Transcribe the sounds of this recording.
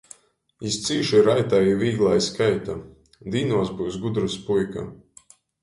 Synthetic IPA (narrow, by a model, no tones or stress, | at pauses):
ist̪siːʃiɾajt̪aiviːɡlˠaːjskajt̪a | d̪iːnuɔsbuwsɡud̪ɾuspujka̰